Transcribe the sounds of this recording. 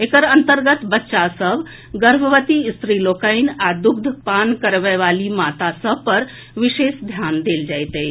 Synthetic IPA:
ekəɾənt̪əɾɡət̪bətːʃasəb | ɡəɾbʱəʋət̪ist̪ɾilokəjnad̪uɡd̪ʱpankəɾʋəjʋalimat̪asəbpəɾ | ʋiʃesd̪ʱjand̪eːld͡ʒajt̪əj

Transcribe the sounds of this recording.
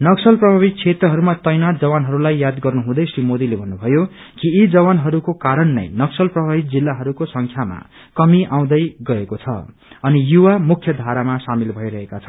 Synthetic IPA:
nʌksʌlprʌbʱabik̚t͡sʰet̪rʌɦʌɾumat̪ʌjnad͡zʌwanɦʌɾulajːjad̪ɡʌrnuɦũd̪ʌjsrimod̪ilebʱʌnːubʱʌjo | kiid͡zʌwanɦʌɾukokaɾʌnːʌ̰jnʌksʌlprʌbʱabik̚d͡zilːaɦʌɾukosʌŋkʰjama̰ | kʌmiʔaw̃d̪ʌjɡʌekot͡sʰʌ̰ | ʌnijuwamukʰjʌd̪ʱaɾamasamilbʱʌjɾʌɦekat͡sʰʌn

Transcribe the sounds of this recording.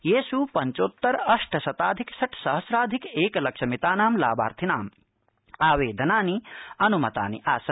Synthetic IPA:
jeːsupɐɲt͡ʃoːt̪ːɐɾɐʂʈʰɐsɐt̪aːd̪ʱiksɐʈʰsɐɦɐsɾaːd̪ʱikeːkɐlɐkʃɐmit̪aːnaːmla̰ːba̰ːɾt̪ʰinaːm | aːʋeːd̪ʱɐnaːniɐnumɐt̪a̰ːnḭʔaːs

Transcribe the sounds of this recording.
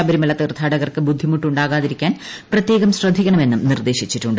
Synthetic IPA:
ɐbɐɾimɐlɐt̪irt̪ʰaːɽɐɣɐrkɨbud̪ʱːimuʈːuɳɖaːɣaːðiɾikʲːaːn | prɐt̪je̞ːɣɐmɕrɐd̪ʱikʲːɐɳɐme̞nːumnird̪e̞ːɕit͡ɕːiʈːuɳɖɨ

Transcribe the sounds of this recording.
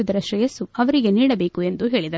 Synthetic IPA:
ud̪ɐɾɐʃɾɐjɐsuɐʋɐɾiɡe̞niːɽɐbe̞ːkue̞nd̪uɦe̞ːɭid̪ɐ

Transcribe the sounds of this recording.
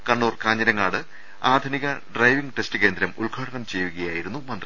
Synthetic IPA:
kɐɳːuːrkaːɲːɐɾɐŋːaːɽɨ | aːd̪ʱuniɣɐɖrɐjʋiŋɡʈe̞stɨke̞ːnd̪ɾɐmuɭɡʱaːɽɐnɐmt͡ɕe̞jːuɣɐjaːjiɾunːumɐnd̪ri

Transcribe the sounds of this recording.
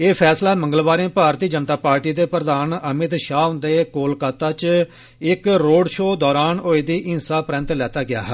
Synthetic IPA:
eːpʰɛːslaːmə̃ŋɡəlʋaːɾẽːpaːɾt̪iːd͡ʒənt̪aːpaːɾʈiːd̪eːpɾəd̪aːnəmɪt̪ʃaːʊnd̪eːkoːlkaːt̪aːt͡ʃ | ɪkɾoːɖʃoːd̪ɔːɾaːnoːed̪iːʔɪnsaːpɾɛ̃nt̪lɛːt̪aːɡɪja̰ːɦɛː

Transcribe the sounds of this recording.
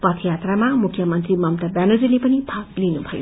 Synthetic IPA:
pʌt̪ʰjat̪ramamukʰjʌmʌnt̪rimʌmt̪ʌrbanʌd͡zilepʌnibʱaklinubʱʌjo̰

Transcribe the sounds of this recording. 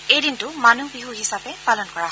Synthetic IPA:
ejdintʊmanubiɦuɦisapɛpalɔnkɔɹaɦɔ

